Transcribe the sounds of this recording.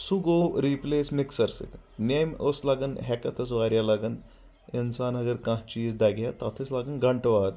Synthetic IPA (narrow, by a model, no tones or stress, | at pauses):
suɡoɾiplesmiksəɾsḭknejmə̰slaɡənɦɛkɐt̪ʰəsʋaɾjalaɡən | insanɦɐɡəɾkãɦt͡ɕiːzd̪aɡjat̪at̪ʰeslaɡənɡɐɳʈʋat̪